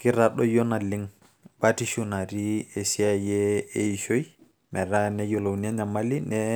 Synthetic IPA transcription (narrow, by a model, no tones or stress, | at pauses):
kiɾaɗɔjɔnaliŋ | batiʃunaɾiesiajɛejʃoj | mɛɾanɛjɔlownɛɲamalinɛ